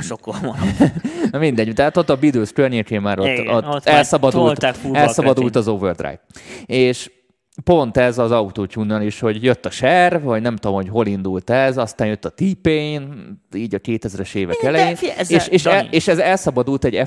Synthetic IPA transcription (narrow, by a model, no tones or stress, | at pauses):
okːom | nmind̪ɛɟut̪aat̪ot̪ːɒbid̪øːskørɲekeːmaːɾot̪ːot̪ːɛlsɒbɒd̪ult̪uɛlsɒbɒd̪ult̪ɒzovørd̪ra̰jteːʃ | po̞nt̪ɛzɒzɒwt̪oːcuːnːɒliʃho̞ɟjøt̪ːɒʃɛrvvɒɟnɛmt̪oomho̞cɦo̞lind̪ult̪ɛzɒst̪aːnjøt̪ːɒt̪iːpeeniːɟɒkeːt̪ɛzɾɛʃeːvɛkɛlɛjeːnːʃeːʃɛeːʃɛzɛlsɒbɒd̪ult̪ɛɟɛ